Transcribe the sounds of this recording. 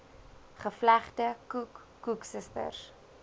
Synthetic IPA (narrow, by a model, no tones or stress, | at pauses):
χəflæχtəkukːuksəstə̰rs